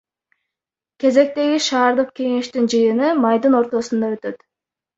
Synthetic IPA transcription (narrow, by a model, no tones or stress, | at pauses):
kʲe̞ze̞k̚t̪e̞ɡiʃɑːɾd̪ɯq̚kʲe̞ŋe̞ʃt̪ynd͡ʒɯjɯnɯmɑjd̪ɯno̞ɾt̪o̞sund̪ɑø̞t̪ø̞t̪